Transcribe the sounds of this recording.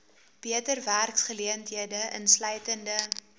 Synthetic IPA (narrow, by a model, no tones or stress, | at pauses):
b̥iətərværksχəliəntɦiədəʔə̰nslœɥtəndə